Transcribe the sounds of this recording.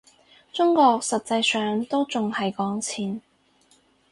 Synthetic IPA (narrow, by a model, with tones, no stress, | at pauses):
t͡sʊ˥ŋkɔː˧k̚sɐ˨t̚t͡sɐ˧jsœː˨ŋt̪o˥wt͡sʊ˨ŋhɐ˨jkɔː˨˥ŋt͡sʰiː˨˩n